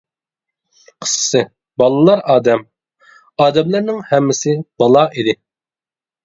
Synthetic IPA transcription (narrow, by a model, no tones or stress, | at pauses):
qʰə̥ssɨ | bɑlˠɨlˠɑɾɑːd̪ɛm | ɑːd̪ɛmlæɾnɪŋhɛmːɪsɪb̥ɑlˠɑʔid̪ɪ